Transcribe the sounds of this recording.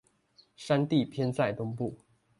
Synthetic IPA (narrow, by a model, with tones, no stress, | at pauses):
ʂa˥˦nt̪i˥˨pʰjɛ˥nt͡sa˥˩ɪt̪ʊ˥ŋpu˥˩